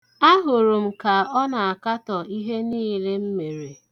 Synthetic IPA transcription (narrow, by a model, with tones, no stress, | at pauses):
a˦ɦʊ˨ɾʊ˨m̩˨ka˨ɔ˦na˨a˨ka˦tɔ˨i˦ɦe˦niː˦le˦m̩˦me˨ɾe˨